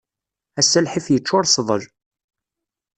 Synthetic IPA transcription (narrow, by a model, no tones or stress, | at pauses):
æsːælħiθjət͡ʃːʊɾˤsðˤəʒ